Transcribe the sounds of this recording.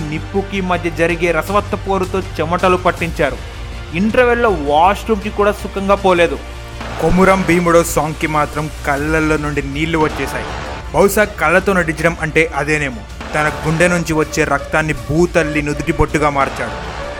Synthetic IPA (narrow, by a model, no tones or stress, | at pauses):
nipːukimɐd̪ʱjɐd͡ʒɐɾiɡe̞ːɾɐsɐʋɐt̪ːɐpo̞ːɾut̪o̞ːt͡ʃɛmɐʈɐlupɐʈːiɲt͡ʃaːɾu | iɳʈɾɐʋeɾlːoːʋaːsʈumkikuːɽaːsukɐŋɡaːpoːle̞ːd̪u | komuɾɐmbiːmuɽoːsaːŋkimaːt̪ɾɐmkɐlːɐlːo̞ːnuɳɖiniːlːuʋɐt͡ʃːɛːsaːjḭ | bʱɐwʃaːkɐlːɐt̪o̞ːnɐʈit͡ʃɐɽɐmɐɳʈe̞ːʔɐd̪e̞ːne̞ːmu | t̪ɐnɐɡuɳɖenuɲt͡ʃiʋɐt͡ʃːe̞ːɾɐk̚t̪aːnːibuːt̪ɐlːinud̪uʈibɐʈːuɡaːmaːɾt͡ʃaːɽṵ